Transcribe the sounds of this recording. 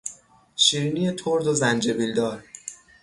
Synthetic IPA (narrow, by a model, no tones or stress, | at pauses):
ʃiɾinijet̪ʰoɾd̪ozænd͡ʒebild̪ɒːɾ